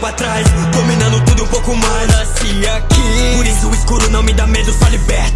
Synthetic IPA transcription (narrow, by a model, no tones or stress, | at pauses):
at̪ɾajskõmĩnɐ̃nd̪ʊt̪ud̪ʊũpowkʊmajsnasi | akipoɾisʊiskuɾʊnɐ̃w̃mĩd̪amed̪ʊsalibɛɾt̪ɐ